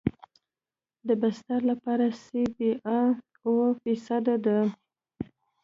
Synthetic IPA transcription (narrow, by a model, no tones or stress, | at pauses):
d̪əbast̪aɾlapɑɾasebeʔa | wəfisad̪ad̪a